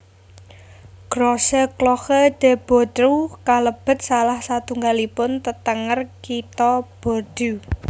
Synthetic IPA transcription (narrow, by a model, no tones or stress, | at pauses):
ɡ̥ɾɔsəklɔxəd̪̥ɛ̤b̥ɔ̤t̪ɾukaləb̥ə̤t̪̚salahsat̪uŋɡalipʊnt̪ət̪əŋərkit̪ɔb̥o̤d̪̥u